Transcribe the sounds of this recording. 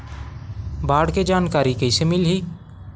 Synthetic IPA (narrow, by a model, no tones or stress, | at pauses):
baːɽked͡ʒaːnkaːɾikəɪsemɪlɦiː